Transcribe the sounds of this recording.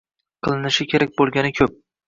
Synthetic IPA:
qʰɨlˠɪnɪʃɪkʲʰe̞ɾak̚ʲbolˠɡʲanɪkʲʰɵp̚

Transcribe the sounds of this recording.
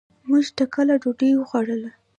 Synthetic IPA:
muʒt̪akəlaɖoɖewəɣwaɽəla

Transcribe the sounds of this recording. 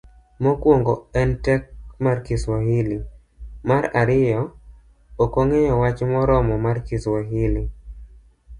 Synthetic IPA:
mɔkwoŋɡɔɛntɛk̚markɪswahili | maɾaɾɪjɔ | okoŋejɔwat͡ʃmɔɾɔmɔmarkiswaɦili

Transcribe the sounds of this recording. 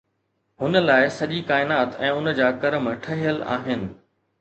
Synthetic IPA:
hʊnə̆laːɪsɐʄikaːɪnaːt̪ɛ̃ːʊnəd͡ʑaːkɐɾəmʈʰɐɦijəla̰ːɦɪnɪ̆

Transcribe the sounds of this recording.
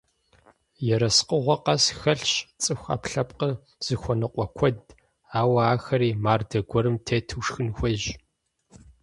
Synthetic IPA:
jɛɾɐsqəʁʷɔqɐsxɐɬɕt͡sʼɨxʷa̰ːpɬɐpʼqə | z̥ɨxʷɔnɨqʷʼɔkʷʰɔd | aːwɐaːxɐɾiːmaːrdɐɡʷɔɾɨmtʰeːtʰɨːʂxɨnxʷɐʒ

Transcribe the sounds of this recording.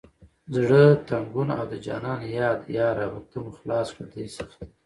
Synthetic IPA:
zɽət̪aŋɡuna̰wd̪əd͡ʒɑ̰nɑnjɑːd̪jɑːɾawut̪əmuxlɑskəd̪esəx

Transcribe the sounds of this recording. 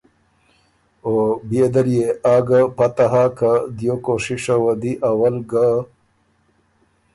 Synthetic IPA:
objed̪əɾjeaːɡapat̪aɦakad̪jokoʂiʂawad̪iʔawəlɡa

